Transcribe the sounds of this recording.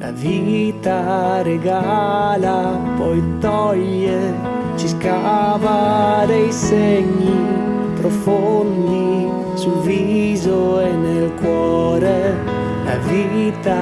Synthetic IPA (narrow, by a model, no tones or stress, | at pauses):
lʔa̰vit̪aɾeɡala | pɔjt̪ɔʎːe | t͡ʃiskavad̪ejseɲːi | pɾofond̪i | suvizoɛnːelkwɔɾe | la̰vit̪a